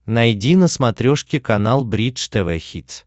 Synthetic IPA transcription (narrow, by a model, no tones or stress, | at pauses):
nɐjdʲinəsmɐt̪ɾʲoʂkʲɪkɐnalˠbɾʲit͡ʂt̪ɛvɛ̰xʲit̪s